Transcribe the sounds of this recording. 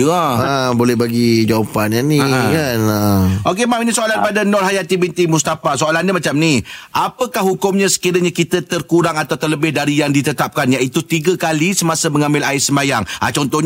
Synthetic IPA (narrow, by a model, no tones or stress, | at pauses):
abolɛhbaɡid͡ʒawapananiakanaok̬emaminisoalanpadanɔlɦajat̪ibint̪imust̪afasoalanɲamat͡ʃamniʔapəkahɦukʊmɲãsə̥kiɾəɲakit̪ət̪ərkuɾaŋat̪awt̪ərləbɪhdaɾijaŋdit̪ət̪ap̚kanjait̪ut̪iɡəkalisəmasəməŋãmbɪlaɪsəmajaŋʔa̰t͡ʃɔnt̪ɔhɲ